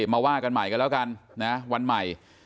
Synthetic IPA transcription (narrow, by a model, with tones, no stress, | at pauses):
maː˧waː˥˩ka˧nma˨˩jka˧nlɛː˦˥wka˧nna˦˥wa˧nma˨˩j